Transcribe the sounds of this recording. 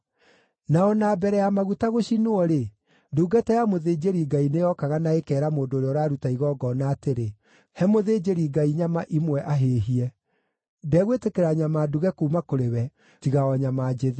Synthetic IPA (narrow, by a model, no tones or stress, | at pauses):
naɔnaːbɛɾɛjamaɣutaɣoɕinoɔɾe | nduːɡatɛjamoðeːd͡ʑeɾiɡainejɔkaɣanaekɛːɾamoːndoːɾeɔɾaɾutaiɣɔːɡɔnaːteɾe | hɛmoðeːd͡ʑeɾiɡaiɲamaʔimwɛʔaɦeːɦiɛ | dɛɣwetekeɾaɲamaːduɣɛkuːmakoɾewɛ | tiɣaɔɲamaːd͡ʒeðe